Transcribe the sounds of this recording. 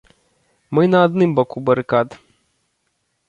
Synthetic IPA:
mɨnɐːd̪nɨmbɔkubɐɾɨkad̪

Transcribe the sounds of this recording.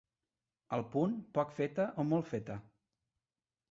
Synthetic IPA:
əlˠpunpɔkfet̪əʔomɔlˠfet̪ə

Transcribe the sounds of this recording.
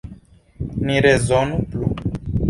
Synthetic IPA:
niɾezonuplu

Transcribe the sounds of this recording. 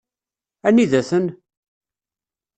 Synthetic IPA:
æniðæθən

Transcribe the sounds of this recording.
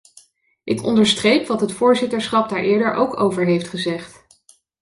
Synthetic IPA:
ʔɪkɔ̰ndəɹstrejpʋɑtɦətfʊːɹzɪtəɹsχɑp̚daːɹʔɪːɹdəɹʔo̰wkowvəɹɦejftχəzɛχt

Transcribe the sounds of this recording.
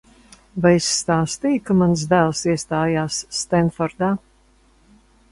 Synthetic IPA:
vajisʲt̪aːst̪iːkamans̬d̪æːlˠsiɛst̪aːjaːsːt̪ɛnfɔɾd̪aː

